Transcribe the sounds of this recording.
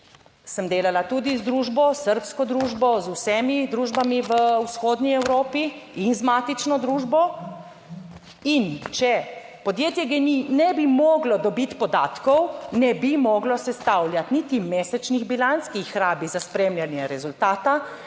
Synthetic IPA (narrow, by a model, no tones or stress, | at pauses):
səmd̪eːlalat̪ud̪izd̪ɾuːʒbɔsəɾpskɔd̪ɾuːʒbɔzusɛmid̪ɾuʒbamiʋəwsxoːd̪nʲiɛwɾoːpiinzmaːt̪it͡ʃnɔd̪ɾuːʒbɔ | int͡ʃɛ | pɔd̪jeːt̪jɛɡɛninɛbimɔːɡlɔd̪ɔbit̪pɔd̪aːt̪kɔwnɛbimɔːɡlɔsɛst̪awljat̪nit̪imeːsɛt͡ʃniɣbilanskixːɾaːbizaspɾeːmljanjɛɾɛzult̪aːt̪a